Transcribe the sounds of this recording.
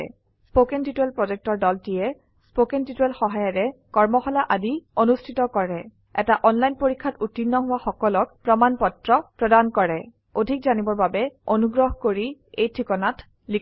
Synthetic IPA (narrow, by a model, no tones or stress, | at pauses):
spokɛntituɛlpɹɔzɛk̚tɔɹdɔltijɛ | spokɛntituɛlxɔɦajɔɹɛkɔɹmɔxɔlaʔadionustʰitɔkɔɹɛ | ɛ̰taʔɔnlajnpoɹikʰːatutːinːɔɦʊwaxɔkɔlɔkpɹɔmanpɔtɹɔpɹɔdankɔɹɛ | odʱik̚zanibɔɹbabɛonuɡɹɔɦkoɹiejtʰikɔnat | li